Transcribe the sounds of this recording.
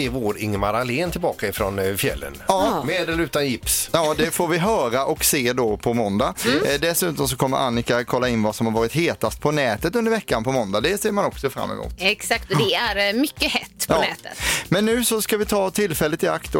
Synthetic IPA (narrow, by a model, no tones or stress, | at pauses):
ɪvoːɾɪ̰ŋːmaɾaleːnt̪ʰɪlbɑːkaɪfɾɔnfjɛ̰lːə̰nɑːmeːd̪əlɾʉ̟ːt̪anjɪpsjɑːd̪ɛfoːɾvɪɦœːɾaʔɔkseːd̪ɔpʰɔmɔnd̪ad̪ɛsʉ̟ːt̪ɔms̬ɔkʰɔmːə̰ɾʔa̰nːɪkakʰɔlːaɪnːvasɔmhaɾvɑːɾɪt̪ɦeːt̪ast̪̚pʰɔnɛːt̪ət̪ɵnd̪əɾvɛkːanpʰɔmɔnd̪ad̪ɛseːɾmanɔksɔfɾa̰mːɪ̰mṵːt̪ɛksak̚t̪ɔd̪ɛæɾmʏkːəhɛt̪ːpʰɑɔnɛ̰ːt̪ə̰t̪mɛnːʉ̟ːsɔskavɪt̪ʰɑːt̪ʰɪlːfɛlːət̪ɪa̰kt̪